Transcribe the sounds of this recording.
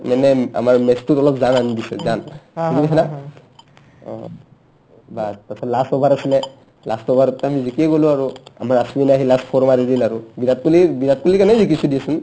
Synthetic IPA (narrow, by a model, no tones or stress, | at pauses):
manɛa̰maɹmɛstutɔlɔpzananidisɛzaniɡibɛɦɛna | baspasʰɔlasɔbʱaɾasilɛ | lastɔbʱaɾtamizikiɛɡolʊ̃aɹua̰maɹasuwinaɦilaspʰɔɹmaɾidilaɹubinat̚kulibinat̚kulikanɛzikisudiasun